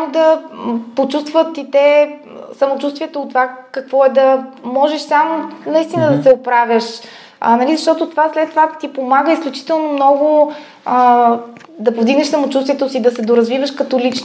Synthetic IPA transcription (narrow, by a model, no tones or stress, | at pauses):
samod̪ɐpot͡ʃust̪vət̪it̪ɛ | sɐmot͡ʃust̪vʲiɛt̪oʊt̪ːovakɐkvɔɛd̪ɐmɔʒɛʃsamonɐist̪inəd̪ɐsɛopɾavʲəʃ | ə̰nɐlizɐʃt̪ɔt̪ot̪ovaslɛt̪ːovat̪ipomaɡəisklʲut͡ʃi̥t̪ɛlˠnomnɔɡʊ | ə | d̪ɐpovd̪iɡnɛʃsəmot͡ʃust̪viɛt̪osid̪ɐsɛd̪oɾɐzvivəʃkɐt̪ɔlit͡ʃn